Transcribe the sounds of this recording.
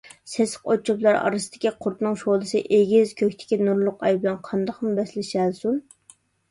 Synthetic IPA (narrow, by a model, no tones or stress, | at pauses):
sesqot͡ʃʰuplˠɑɾɑ̰ɾɨsɨd̪̥ɪ̥kʲiqʰʊɾt̪nɨŋʃolˠɨsɨʔeɡʲizkʲʰøkʲt̪ʰɪ̥kʲinuɾlˠʊqɑjblˠɑnqʰɑnd̪ɑχmʊbɛslɪʃælsun